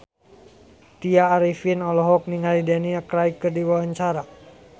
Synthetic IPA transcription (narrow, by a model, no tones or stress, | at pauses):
t̪iaːɾifinɔlɔɦɔk̚niŋalidɛniakɾaikːərdiwawaɲt͡ʃaɾa